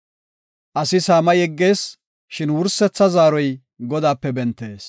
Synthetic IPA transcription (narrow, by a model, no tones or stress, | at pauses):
ʔɐsɪsaːmɐjɛɡːe̞ːs | ʃɪnwʊɾsːɛt͡sːɐzaːɾɔj | ɡɔd̪aːpːɛbɛnt̪ːe̞ːs